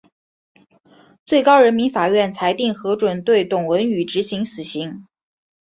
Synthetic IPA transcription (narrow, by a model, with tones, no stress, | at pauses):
t͡swe˥˩ɪkɑ˥ʊɻə˧˥nmi˧˥nfa˨˩ɥɛ˥˩nt͡sʰa˧˥ɪt̪i˥˩ŋxɤ˧˥ʈ͡ʂwə˨˩nt̪we˥˩ɪt̪ʊ˨˩ŋwə˧˥ny˨˩ʈ͡ʂɻ̩˧˥ɕi˧˥ŋsɹ̩˨˩ɕi˧˥ŋ